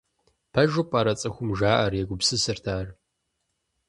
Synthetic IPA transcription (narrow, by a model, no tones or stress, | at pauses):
pʰɐʒʊpʼɐɾɐt͡sʼɐxʷʊmʒaːʔɐrjɛɡʷʊpsɨsɨrtʰaːr